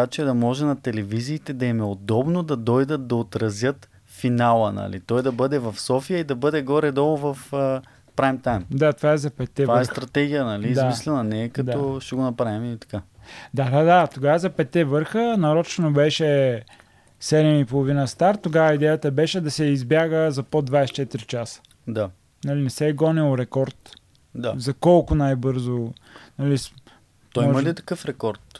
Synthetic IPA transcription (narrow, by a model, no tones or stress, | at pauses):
at͡ʃɛd̪ɐmɔʒɛnɐt̪ɛlɛviziːt̪ɛd̪ɐɛmɛod̪ɔbnod̪ɐd̪ɔjd̪ət̪̚d̪ɐot̪ɾɐzʲjət̪ | finalˠənɐ̰lḭt̪ɔjd̪ɐbɤd̪ɛvɐfsɔfijəid̪ɐbɤd̪ɛɡɔɾɛd̪ɔlˠʊvɐfə | pɾajmt̪ajmd̪at̪ovaɛzɐpɛt̪ːɛvaɛst̪ɾɐt̪ɛɡʲijənɐliːd̪amislɛnɐnɛːkɐt̪ɔʃɛɡonɐpɾavimiit̪ɐ̥kad̪ad̪ad̪at̪oɡavəzɐpɛt̪ːɛvɤɾxənɐɾɔt͡ʃnobɛʃɛ | sɛd̪ɛmipolˠovinəst̪aɾt̪ːoɡavəid̪ɛjət̪əbɛʃɛd̪ɐsɛizbʲjaɡəzɐpod̪vajst͡ʃɛt̪iɾit͡ʃasə̥ | d̪a | nɐlinɛsɛɡɔnilˠɾɛkɔɾt̪ | d̪azɐkɔlˠkʊnajbɤɾzonɐlis | t̪ɔimɔɐlit̪ɐ̥kɤfɾɛkɔɾt̪